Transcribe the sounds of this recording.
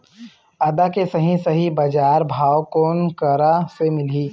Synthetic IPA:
ɐd̪akesɐɦĩsɐɦibɐd͡ʒaːɾbʱaːwkoːnkəɾasemɪliː

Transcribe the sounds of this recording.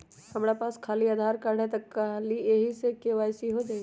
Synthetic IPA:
hɐmɽapaːskʰaːliad̪ʱaːɾkaɽet̪ɐkːalieɦisekeʋaːjsiɦod͡ʒaːɡi

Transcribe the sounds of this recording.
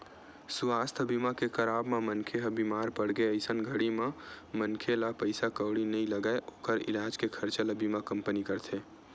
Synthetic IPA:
suaːst̪ʰəbimakexəɾaːbmamənkʰeɦəbimaːɾpəɽɡeəɪsənɡʱəɽimãmənkʰelapəɪsakəwɽinəĩləɡaeʔoːkəɾɪ̰laːd͡ʒkekʰəɾt͡ʃalabimakəmpənikəɾt̪ʰe

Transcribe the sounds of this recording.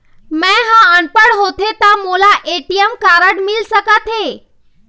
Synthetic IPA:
mɛ̃ɦãəɳpəɽɦot̪ʰet̪amolaʔeʈijəmkaːɾəɽmɪlsəkat̪ʰe

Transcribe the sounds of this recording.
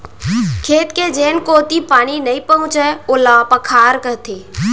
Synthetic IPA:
kʰeːt̪ked͡ʒeːnkoːt̪ipaːɽ̃inɐĩpəɦʊ̃t͡ʃɛolapəkʰaːɾkəɦt̪ʰeː

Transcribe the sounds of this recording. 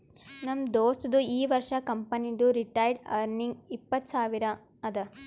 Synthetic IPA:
nɐmd̪oːst̪d̪uiːʋɐɾʂɐkɐmpɐnid̪uɾiʈɐjɖɐ̰ɾniŋɡipːɐt̪ːsaːʋiɾɐ | ɐd̪ɐ

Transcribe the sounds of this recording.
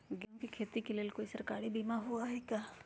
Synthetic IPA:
ɡɛmkikʰeːt̪ikeleːlkoːisɐɾkaːɾibiːmaɦuaɦɛkʲaː

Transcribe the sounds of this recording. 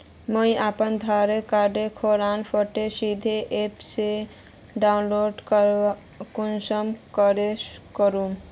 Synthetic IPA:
məiapənd̪ʱaɾekaɾɖekʰoɾaːnpʰəʈesid̪ʱeʔepse | ɖanloɖk | kunsəmkəɾekəɾũ

